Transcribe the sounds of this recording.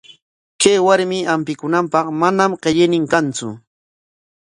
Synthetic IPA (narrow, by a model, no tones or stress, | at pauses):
kajwaɾmɪampɪkʊnampɑχmanamɢeʎɪnɪŋkant͡sʊ̰